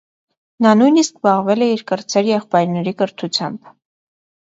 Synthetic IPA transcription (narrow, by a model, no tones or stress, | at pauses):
nɑnujniskbɑʁvɛlɛiɾkəɾt͡sʰɛɾjɛχpɑjɾnɛɾikəɾt̪ʰut͡sʰjɑ̰mb̥